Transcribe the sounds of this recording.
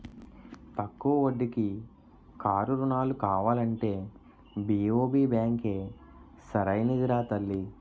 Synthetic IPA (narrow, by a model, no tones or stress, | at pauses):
t̪ɐkːuʋɐʋoɖːiki | kaːɾuɾunaːlukaːʋaːlɐɳʈe̞ː | biːoːbiːbjaːŋke̞ː | sɐɾɐjnid̪iɾaːt̪ɐlːi